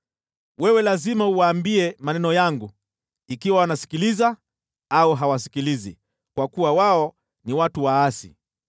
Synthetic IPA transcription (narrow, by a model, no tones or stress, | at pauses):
wɛwɛlazimauwaːmbiɛmanɛnɔjaŋɡu | ikiwawanasi̥kiliza | auɦawasi̥kilizḭ | kwakuwawaɔ | niwatuwaasḭ